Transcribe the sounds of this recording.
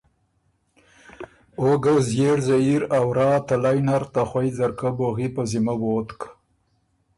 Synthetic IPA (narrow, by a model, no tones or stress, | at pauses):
oɡawzjeɽzaiɾawɾɑːt̪alajnaɾt̪axwajzaɾkaboɣipəzimawoːt̪k